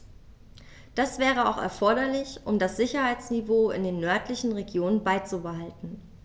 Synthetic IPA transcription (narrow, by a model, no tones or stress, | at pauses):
d̥asv̥ɛːʁ̞əa̰ʊxɛ̰ɐfɔɐɾɐlɪçʔʊmdasz̥ɪçɐhaɪt͡snivoːɪ̰ndeːnːœɐtlɪçn̩ʁeɡjoːnənbaɪt͡subəɦaltn̩